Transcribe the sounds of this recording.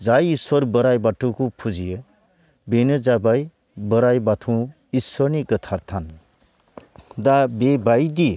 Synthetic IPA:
d͡zajiswʌɾbəɾajbaʈːukupʰud͡zijʌ | benʌd͡zabaj | bəɾajbat̪ʰũ | iswʌɾniɡət̪ʰaɾt̪ʰan | d̪abebajd̪i

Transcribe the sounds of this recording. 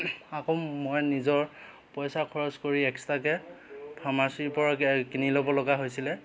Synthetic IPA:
akomojnizɔɹ | pɔjsakʰɔɹɔzkoɹiɛkstakɛpʰamasiɹpɔɹakinilɔbɔlɔɡaɦojsilɛ

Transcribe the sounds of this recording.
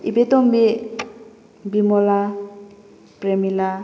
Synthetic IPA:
ibet̪ɔmbe | bimɔla | pɾemila

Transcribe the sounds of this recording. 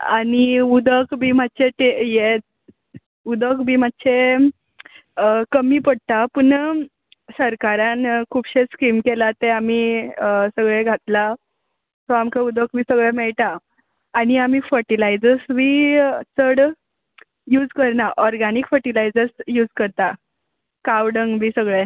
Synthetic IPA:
aniud̪əkbʱiːmat̪ːt͡ɕeʈeje | ud̪əkbʱiːm̤at̪ːɕʰe | kəmiːpəɽ̚t̪apəɳ | səɾkaɾãnkʰuːbɕeskiːmkelat̪eamisəɡɭeɡʱat̪la | t̪ɔamkaud̪əkbʱiːsəɡɭemɛɭʈ̪aː | niam̤iːfəɾʈilajd͡zəɾsbiːt͡səɽ | juːd͡zkəɾnaʔɔɾɡanikfəʈilajd͡zəɾsjuːd͡zkəɾt̪a | kawɖəŋɡbʱiːsəɡɭe

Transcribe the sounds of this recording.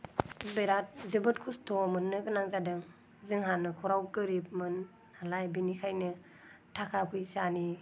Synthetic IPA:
beɾat̚zɯbɯt̚kʰustʰɔmɯnːɯɡɯnaŋzadɯŋ | zɯŋɦanːɯkʰɔɾawkɯɾip̚mɯn | alajbinikʰajnɯ | tʰakʰapʰujsani

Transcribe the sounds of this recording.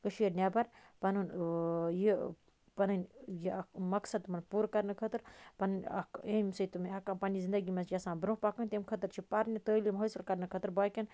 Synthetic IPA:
kəʃiːɾnʲabɐɾpɐnunji | pɐnɨnʲjimɐksɐd̪mɐnpuːɾkɐɾnɨkʰət̪ɨɾpɐnɨnʲɐ̰emsəjt̪umiɦɐkɐmpɐnizind̪ɐɡimɐsd͡ʒasãːnbɾũpakɐnt̪ʲemkʰɐt̪ɨɾt͡ʃʰipɐɾnʲɐt̪əːlimɦosɨlkɐɾnɨkʰət̪ɨɾbaːkʲen

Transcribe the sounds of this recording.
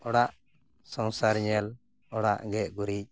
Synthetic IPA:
ɔɽaʔ | sɔŋsaɾɲɛl | ɔɽaʔɡɛʔɡuɾic̚

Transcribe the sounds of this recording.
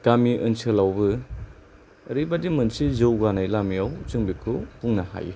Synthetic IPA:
kamiʔɯnsʰɯlawbɯ | ɾibadimɯnsizɯwɡanajlamiawt͡ʃɯŋbikʰupuŋnaha̰jḭ

